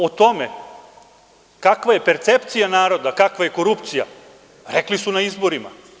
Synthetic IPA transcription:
ot̪o̞me̞ | kakʋaje̞pe̞ɾt̪sept̪sijanaːɾo̞d̪akakʋajeko̞ɾupt̪sija̰ | ɾeklisunaizbo̞ɾima̰

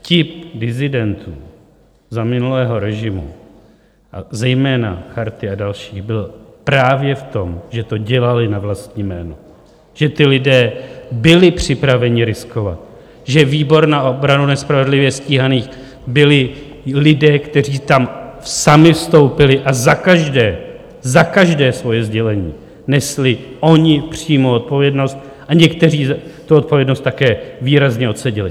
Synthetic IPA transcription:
cɪp̚dɪzɪdɛnt̪ṵː | zamɪnulɛːɦo̞ɾɛʒɪmṵ | ʔa̰zɛjmɛːna̰xaɾt̪ɪadalʃiːɣbɪlpɾaːvjɛft̪o̞mʒɛt̪o̞ɟɛlalɪnavlast̪ɲiːmɛːno | ʒ̥ɛt̪ɪlɪdɛːbɪlɪpr̝̥ɪpɾavɛɲɪɾɪsko̞va̰t̪ | ʒɛviːbo̞ɾnaʔobɾanunɛspɾavɛdlɪvjɛsciːɦaniːx | bɪlɪ | lɪdɛːkt̪ɛriːt̪amsamɪfst̪o̞wpɪlɪʔazakaʒdɛː | zakaʒdɛːsvo̞jɛzɟɛlɛɲḭː | nɛslɪʔo̞ɲɪpr̝̥iːmo̞ot̪̚po̞vjɛdno̞st̪̚ | ʔaɲɛkt̪ɛriːzt̪uot̪̚povjɛdno̞st̪ːakɛːviːɾazɲɛo̞t̪sɛɟɪlɪ

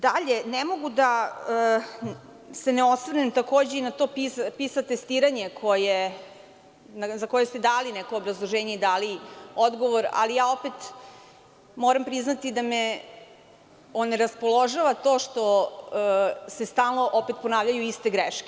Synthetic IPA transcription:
d̪aʎenemo̞ɡud̪aəː | seneo̞sʋɾnemt̪akoːd͡ʑeinat̪o̞ːpispisat̪est̪iːɾaɲe̞kʰoje | nazako̞jest̪ed̪aːlinɛkoːbɾazlˠoʒeːɲeid̪aːlio̞d̪ɡo̞ʋoɾa̰lijaːo̞pet̪ | moːɾampɾiznat̪id̪ame | oneɾaspolˠo̞ʒaʋat̪o̞ːʃt̪o̞ | sest̪aːlˠno̞ʔopet̪̚po̞naːʋʎajuist̪eɡɾeʃke̥

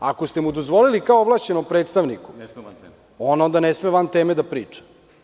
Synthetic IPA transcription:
a̰kost̪emud̪o̞zʋo̞lilikaooʋlˠaːʃt͡ɕenompɾe̞ːt̪st̪aʋniku̥ | o̞no̞nd̪anesmeʋamt̪eːmed̪apɾiːt͡ʂḁ

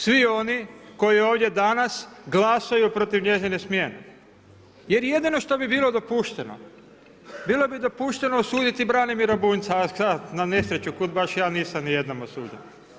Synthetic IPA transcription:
sʋio̞niko̞jio̞ːʋd̪ʲjed̪anasɡlasajupɾo̞t̪iʋɲe̞zinesmje̞nḛ | je̞ɾje̞d̪ino̞ʃt̪o̞bibiːlo̞d̪opuʃt̪eno̰ | biːlˠo̞bid̪o̞puʃt̪e̞noosuːd̪it̪ibɾanimiɾabuːnt̪sasat̪nane̞sɾe̞t͡ɕukud̪̚baʃjaːniːsamnije̞d̪namosṵːd̪in

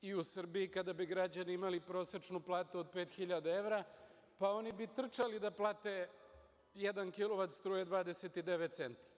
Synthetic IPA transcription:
iusr̩biikad̪abiɡɾad͡ʑaniimalipɾo̞sɾet͡ʂnuplˠaːt̪uod̪̚pe̞ːt̪xiʎad̪aeʋɾa | pao̞nibit̪r̩t͡ʃalid̪aplˠaːt̪e̞ | jed̪ankilo̞ʋat̪st̪ɾuːjed̪ʋaːd̪ese̞t̪id̪e̞ʋet̪t̪se̞nt̪ḁ

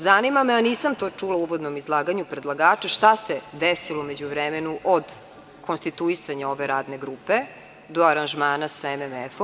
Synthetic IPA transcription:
zanimameaniːsamt̪o̞ːt͡ʂulˠauʋod̪nomizlˠaːɡaɲupɾed̪lˠaɡaːt͡ʂeʃt̪ased̪esiloumed͡ʑuʋɾemenuʔod̪ | kʰonst̪it̪uisaɲao̞ʋeɾaːd̪neɡɾuːpe | d̪oaɾanʒmaːnasaememɛfo

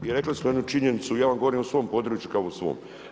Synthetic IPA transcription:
iɾe̞klismojed̪nut͡ʃiɲenit̪sujaːʋamɡo̞ʋoɾiːmosʋo̞ːmpo̞d̪ɾuːt͡ʃjukaousʋo̰ːm

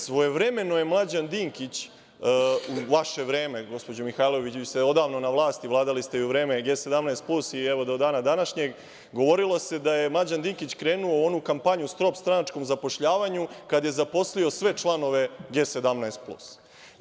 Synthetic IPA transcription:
sʋo̞je̞ʋɾe̞me̞nojemlˠad͡ʑand̪iːŋkit͡ɕ | uʋaʃe̞ʋɾeːme̞ɡo̞spo̞d͡ʑomixajlˠo̞ʋit͡ɕiseo̞d̪aːʋno̞naʋlˠaːst̪iʋlˠaːd̪alist̪ejuʋɾe̞ːme̞ɡe̞ːse̞d̪amnaest̪̚plusiɛʋo̞d̪o̞d̪aːnad̪anaʃɲe̞ɡ | ɡo̞ʋo̞ɾilose̞d̪aje̞mlˠad͡ʑand̪iːŋkit͡ɕkɾe̞ːnuoo̞nukampaɲust̪ɾo̞pst̪ɾanat͡ʃko̞mzapoʃʎaːʋaɲukad̪je̞zapo̞slio̞sʋe̞t͡ʂlˠano̞ʋe̞ɡe̞ːse̞d̪amnaest̪̚plṵs

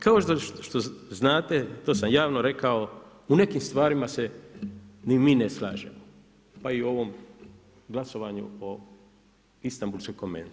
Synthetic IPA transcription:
kaoʃt̪oʃt̪oznaːt̪et̪oːsamjaːʋnoɾe̞kao̞ | une̞kimst̪ʋaːɾimase | nimiːnesla̰ːʒḛmo | paio̞ʋom | ɡlaso̞ʋaːɲṵo | ist̪ambulskojkomḛnt̪

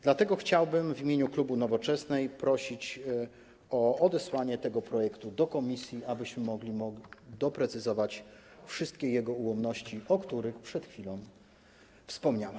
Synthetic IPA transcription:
d̪lat̪ɛɡɔxt͡ɕawbɘmvʲimʲeɲuklubunɔvɔt͡ʂɛsnɛjpɾɔɕit͡ɕ | ɔɔd̪ɛswaɲɛt̪ɛɡɔpɾɔjɛkt̪ud̪ɔkɔmʲisʲjiabɘɕmɘmɔɡlʲimɔɡd̪ɔpɾɛt̪sɘzɔvat͡ɕfʂɘst̪̚kʲɛjɛɡɔuwɔmnɔɕt͡ɕiɔkt̪uɾɘxpʂɛt̪xfʲilɔ̃w̃ | fspɔmɲawa

